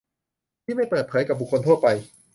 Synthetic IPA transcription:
t̪ʰiː˥˩ma˥˩jpɤː˨˩t̪̚pʰɤː˩˦jka˨˩p̚bu˨˩kʰːo˧nt̪ʰu˥˩ət̪̚pa˧j

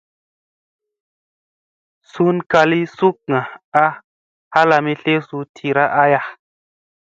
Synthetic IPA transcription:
su˦nka˧li˦su˦k̚ŋã˨a˦ | ha˦la˧mi˦ɬe˦su˧tʰi˨ɾa˦ʔa˦ja˦

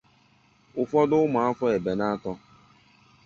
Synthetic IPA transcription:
ʊ˨fɔ˦dʊ˦ʊ˦mʊ˨a˦fɔ˦e˨be˨na˦tɔ˦

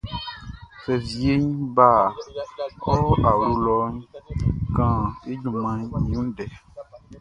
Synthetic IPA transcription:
fɛ˨vi˨e˦ɲ˦ba˦˨ | ɔ˦a˨wɾu˦lɔ˨˦ɲ˦kã˨e˦ɲũ˨mã˨ɲɲĩ˨ũ˦ɖɛ˨

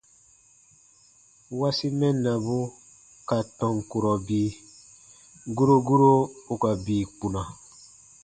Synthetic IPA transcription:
wa˦si˦mɛ˦nːa˨bu˦ | ka˨tɔ̃˨ŋku˨ɾɔ˨biː˦ | ɡu˦ɾo˦ɡu˦ɾo˦u˨ka˨biː˨k͡pu˨na˨

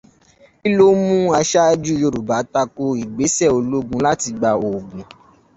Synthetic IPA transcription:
i˦lo˦mũ˦a˧ʃa˦d͡ʒu˦jo˧˨ɾu˨ba˨˦ta˧ko˧i˨ɡ͡be˨˦sɛ˦˨o˧lo˦ɡũ˧la˦ti˧ɡ͡ba˧o˨ɡũ˨

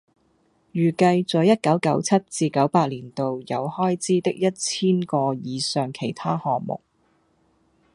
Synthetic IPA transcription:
jyː˨˩kɐ˧jt͡sɔː˨˥jɐ˥t̚kɐ˨˥wkɐ˨˥wt͡sʰɐ˥t̚t͡siː˧kɐ˨˥wpaː˧t̚liː˨˩nt̪o˨wjɐ˨˧whɔː˥jt͡siː˥t̪ɪ˥k̚jɐ˥t̚t͡sʰiː˥nkɔː˧jiː˨˧sœː˨ŋkʰe˨˩jt̪ʰaː˥hɔː˨˩ŋmʊ̰˨k̚

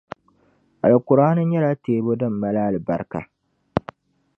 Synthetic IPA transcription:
ʔa˨lkʊ˨ɾaː˦nʊ˦ɲjɐ˦ɾa˦teː˨bo˦dɔ˦˨mːɐ˨laː˦˨lɪ˨bɐ̰˦ɾka̰˨

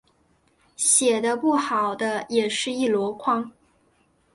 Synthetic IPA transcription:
ɕjɛ˨˩d̪ə˦pu˥˩xɑ˨˩ʊd̪ə˦jɛ˨˩ʂɻ̩˥˧i˥˩lwɔ˧˥kʰwɑ˥ŋ

